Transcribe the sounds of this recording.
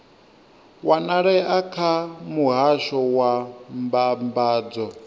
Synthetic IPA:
wanaɺɛakʰamuɦaʃɔwambambaːd͡zɔ

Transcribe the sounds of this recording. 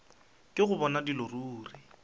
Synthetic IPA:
kʼɪɣʊbɔnadiloruːrɪ

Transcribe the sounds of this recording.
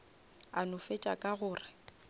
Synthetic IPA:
anʊfet͡ʃʼakʼaɣʊːrɪ

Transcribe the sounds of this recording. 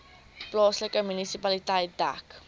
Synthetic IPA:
plɔsləkəmynisipalitajt̚da̰k

